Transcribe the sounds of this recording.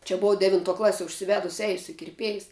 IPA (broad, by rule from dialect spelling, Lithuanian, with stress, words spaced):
t͡ʃʲɛ ˈboːʋoː ˈdʲæːʋʲɪntuɔ ˈklˠɑːsʲiɛ ʊʃʲsʲɪˈʋʲæːdʊs ˈɛɪsʲʊ ɪ kʲɪrʲˈpʲiɛjs